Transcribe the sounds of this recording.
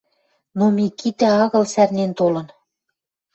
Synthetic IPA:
nomikit̪æɑɣɤ̆lsærnent̪olɤ̆n

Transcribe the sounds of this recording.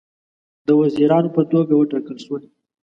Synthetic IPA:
d̪əwaziɾɑnopət̪oɡawəʈɑkəlʃwəli

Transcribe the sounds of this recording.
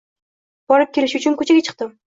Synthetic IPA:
b̥ɒɾɪp̚kʲʰelɪʃʊt͡ʃʰʊnkʰɵt͡ʃʰaɡʲat͡ʃʰɨ̥q̚t̪ɪm

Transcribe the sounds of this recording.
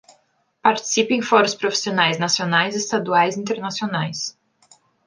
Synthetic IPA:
paɾt͡ʃi̥sipẽj̃fɔɾʊspɾofi̥sionajznasionajzɪst̪ad̪uajzĩnt̪eɾnasionajs

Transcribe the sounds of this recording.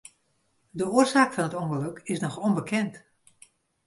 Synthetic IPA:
dəoərzaːkfɑnətoŋɣəløkɪsnɔxɔnbəkʰɛnt

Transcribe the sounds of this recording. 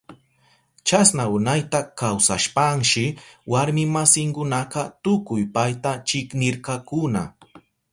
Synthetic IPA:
t͡ʃasnaʊnajt̪akawsaʃpaŋʃɪwaɾmɪmasɪŋkʊnɑqɑt̪ʊkʊjpajt̪at͡ʃɪknɪɾkɑkʊna̰

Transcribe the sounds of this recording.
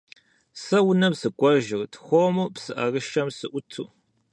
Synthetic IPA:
sɐwʊnɐmsɨkʷʼɔʒɪrtʰxʷomupsɨʔɐrɨʃɐmsɨʔʷʊtʰuː

